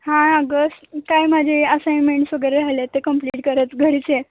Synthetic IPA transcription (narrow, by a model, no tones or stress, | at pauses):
ɦãəɡəsʈkajmad͡ʑʱeəsajnmeɳʈsʋəɡəɾealjat̪ːekəmpliːʈkəɾət̪ɡʱəɽit͡ɕe